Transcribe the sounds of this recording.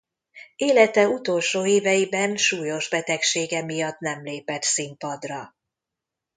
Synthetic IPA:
eːlɛt̪ɛut̪o̞lʃoːeːvɛjibɛnʃuːjo̞ʒbɛt̪ɛkʃeːɡɛmijɒt̪nɛmleːpɛt̪simpɒd̪rɒ

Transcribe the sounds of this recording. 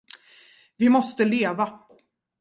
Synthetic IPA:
vɪmɔst̪əleːva

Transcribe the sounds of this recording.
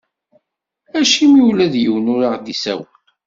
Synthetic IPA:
æʃimiulæðjəwnʊɾaʁd̪isæ̰wən

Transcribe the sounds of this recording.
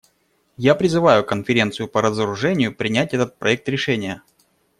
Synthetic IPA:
japɾʲɪzɨvajʊkənfʲɪɾʲe̞nt̪sɨjʊpəɾəzəɾʊʐɛnʲɪjʊpɾʲɪnʲæt̚ʲɛt̪ət̪̚pɾɐɛk̚t̪ɾʲɪʂɛnʲɪjə

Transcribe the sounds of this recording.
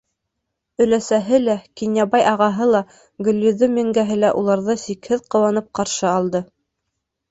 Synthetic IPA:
ɵ̆læsæɦɘlækinʲjɑβɑjʔɑʁɑɦɤlˠɑ | ɡɵ̆lʲːɵðɵmʲɘ̆ŋɡæɦɘlæʔulˠɑɾðɤsikhɘðqɤ̆wɑnɤp̚qɑɾʃɤɑlˠd̪ɤ

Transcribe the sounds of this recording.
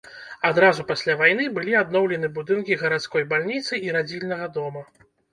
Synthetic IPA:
ad̪ɾazupasʲlʲavajn̪ɨbɨlʲiad̪nɔwlʲɛnɨbud̪ɨnkʲiɣɐɾat̪skɔjbalʲnʲit̪sɨiɾad͡zʲilʲnɐɣɐd̪ɔmɐ

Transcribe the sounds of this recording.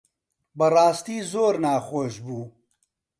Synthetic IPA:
bərɑːst̪iːzoːɾnaːxoːʃbuː

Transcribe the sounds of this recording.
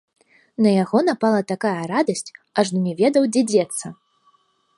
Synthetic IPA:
nɐjaɣɔnapalˠɐt̪akajɐɾad̪ɐsʲt͡sʲaʐd̪unʲɛvʲɛd̪ɐwd͡zʲɛd͡zʲɛt̪sːɐ

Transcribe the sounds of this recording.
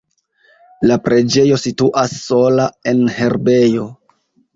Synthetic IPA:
lapɾʔe̞d͡ʒe̞jo̞situʔasːo̞lae̞nhe̞ɾbe̞jo̞

